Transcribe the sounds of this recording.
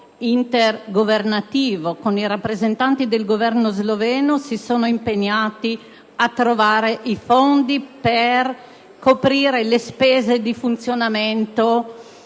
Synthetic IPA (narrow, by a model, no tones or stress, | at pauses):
int̪erɡovernat̪iːvokoniɾapːɾezent̪ant̪id̪elɡovɛrnozlovɛːnosisoːnoimpeɲːaːt̪i | at̪ːɾovaːɾeʔifond̪iper | kopɾiːɾelespeːzed̪ifunt̪sjonament̪o